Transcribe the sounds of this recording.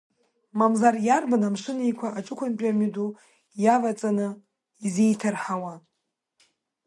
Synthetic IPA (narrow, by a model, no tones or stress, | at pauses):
mamzarjarbanamʂɨnijkʷʰaʔaʈ͡ʂʷʼɨkʷʰanpʲʼamydu | javat͡sʼanɨ | izejtʰarħawa